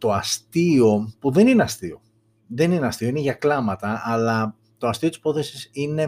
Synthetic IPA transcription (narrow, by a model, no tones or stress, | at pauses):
t̪o̞ɐst̪io̞puðe̞nineɐst̪io̞̰ | ðe̞nineɐst̪io̞ineʝɐklɐmɐt̪ɐːlɐ | t̪o̞ɐst̪iot̪i̥spo̞θesisine̞